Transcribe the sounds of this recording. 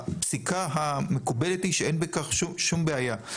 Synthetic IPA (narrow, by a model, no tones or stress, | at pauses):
psikaɦame̞kubelethiʃeenbekaχʃuʃumbeaja